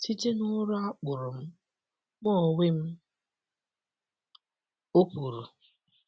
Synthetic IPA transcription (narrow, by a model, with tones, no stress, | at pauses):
ti˦te˦nʊ˦ɾʊ˦a˦k͡pʊ˨ɾʊ˨m̩˦ | k͡pɔ˦˨we˦m̩˦ | o˦ku˨ɾu˨